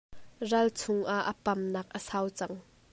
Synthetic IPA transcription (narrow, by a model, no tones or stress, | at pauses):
rɐlt͡sʰʊŋʔaʔəpɐmnɐːk̚ʔəsawt͡sɐŋ